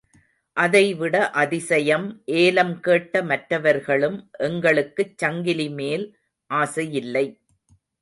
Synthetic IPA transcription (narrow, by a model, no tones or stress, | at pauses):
ʔɐðɐɪʋɪɽɐʔɐðɪsɐjɐmʔeːlɐmkeːʈːɐmɐʈrɐʋɐɾɣɐɭɯmʔɛŋɡɐɭɯkːɯt͡ʃːɐŋɡɪlimeːl | ʔaːsɐjɪlːɐɪ